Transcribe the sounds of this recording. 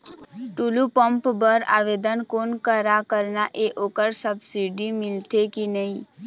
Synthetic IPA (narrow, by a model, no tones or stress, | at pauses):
ʈulupə̃mpbəɾa̰ːʋed̪ənkonkəɾakəɾnaʔeʔoːkəɾsəbsiɖimɪlt̪ekinəĩ